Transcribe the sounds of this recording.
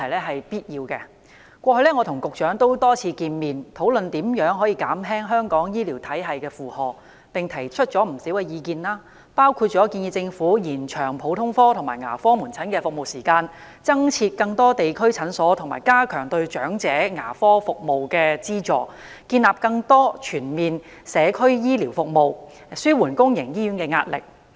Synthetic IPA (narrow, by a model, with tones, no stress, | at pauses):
ɐ˨˩jlɛː˥ɦɐ˨jpiː˥t̚jiː˧wkɛ̰˧ | kʷɔː˧hɵ˧ɥlɛː˥ŋɔː˨˧t̪ʰʊ˨˩ŋkʊ˨k̚t͡ʃœː˨˥ŋt̪o˥wt̪ɔː˥t͡sʰiː˧kiː˧nmiː˨˩nt̪ʰo˨˥wlɵ˨nt̪iː˨˥mjœː˨˥ŋɦɔː˨˥jiː˧ka̰ː˨˥mɦɛː˥ŋɦœː˥ŋkɔː˨˥ŋjiː˥liː˨˩wt̪ʰɐ˨˥jɦɐ˨jkɛː˧fuː˨˧hɔː˨k̚ | pɪ˨ŋt̪ʰɐ˨˩jt͡ʃʰɵ˥t̚t͡ʃɔː˨˥m̩˨˩si˨˥wkɛː˧jiː˨˧kiː˧nlaː˥ | paː˥wkʰuː˧t̚t͡ʃɔː˨˥kiː˧njiː˧t͡sɪ˧ŋfuː˨˥jiː˨˩nt͡ʃʰœː˨˩ŋpʰo˨˥wt̪ʰʊ˥ŋfɔː˥t̪ʰʊ˨˩ŋmaː˨˩jŋa̰ː˨˩fɔː˥muː˨˩nt͡sʰɐ˨˥nkɛː˧fʊ˨k̚mo˨wsiː˨˩kaː˧n | t͡sɐ˥ŋt͡sʰiː˧t̚kɐ˧ŋt̪ɔː˥t̪e˨jkʰɵ˥ɥt͡sʰɐ˨˥nsɔː˨˥t̪ʰʊ˨˩ŋmaː˨˩jkaː˥kʰœː˨˩ŋt̪ɵ˧ɥt͡ʃœː˨˥ŋt͡sɛː˨˥ŋa̰ː˨˩fɔː˥fʊ˨k̚mo˨˩wkɛː˧t͡siː˥t͡sɔː˨k̚ | kiː˧nlaː˨p̚kɐ˧ŋt̪ɔː˥t͡ʃʰyː˨˩nmiː˨n | sɛː˨˧kʰɵ˥ɥjiː˥liː˨˩wfʊ˨k̚mo˨˧w | syː˥wuː˨˩nkʊ˥ŋjɪ˨˩ŋjiː˥jyː˨˥nkɛː˧ŋa̰ː˧t̚lɪ̰˨k̚